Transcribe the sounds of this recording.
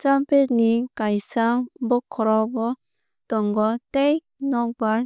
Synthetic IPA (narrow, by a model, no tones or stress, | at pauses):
t͡ʃampet̚nikajsaŋbɔkʰːɔɾawɡɔ | tɔŋɡɔtej | nɔk̚baɾ